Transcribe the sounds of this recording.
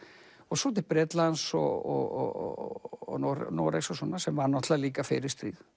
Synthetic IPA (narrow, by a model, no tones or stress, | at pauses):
ɔɣsɔt̪ʰɪpɾɛt̪lansɔ̰ɔɔ̰ | nɔnɔ̰ɾɛ̰ksɔsɔnːasɛmvanɔht̪laliːkafɪɾɪst̪ɾḭð